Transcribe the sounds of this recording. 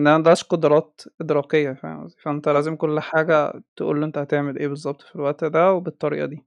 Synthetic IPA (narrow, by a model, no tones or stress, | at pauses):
ʔenːʔænæmæd̪ɑɾʃqod̪ɾˤɑːt̪ʔed̪ɾˤɑːqejːæfæ̰æ̰zˤifæʔent̪ælæːzemkolːħaːɡæ̰t̪eʔṵːlːʔent̪æhæt̪eʕmelʔeːbezˤːɑb̚t̪ˤfilwæʔt̪d̪æwebet̪ˤːɑɾḭːʔɑ̰d̪iː